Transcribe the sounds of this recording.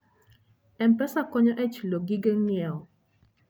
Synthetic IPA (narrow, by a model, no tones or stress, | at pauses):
ɛmpɛsakɔɲɔʔɛt͡ʃloɡiɡɛŋjɛɔ